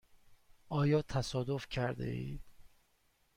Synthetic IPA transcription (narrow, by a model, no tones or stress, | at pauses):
ʔɒːjɒːt̪ʰæsɒːd̪ofcʰæɾd̪ḛḭːd̪̥